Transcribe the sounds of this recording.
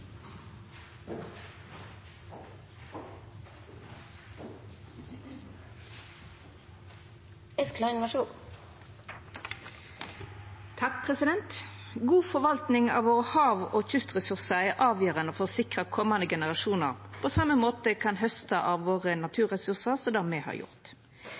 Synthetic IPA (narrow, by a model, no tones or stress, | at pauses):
ɛsklɑɪnʋɑʃuːn | t̪ʰɑk̚pʰʁɛsɪd̪ɛnt̪ɡuːfɔʁʋɑlt̪nɪŋɑ̰ːʋʋoːʁəhɑːʋoːçʏst̪ʁɛsʉʁsəɛːʔɑːʋjøːʁənəfɔʁsɪkʁəkʰɔmɑnd̪əɡɛnəʁɑʃuːnə̰ʁpʰoːsɑməmoːt̪əkʰɑnɦœst̪əʔɑːʋʋoːʁənɑt̪ʰʉːʁɛsʉʁsəʁsɔmd̪æːmeːhɑ̰ːʁjʊ̰ʁt̪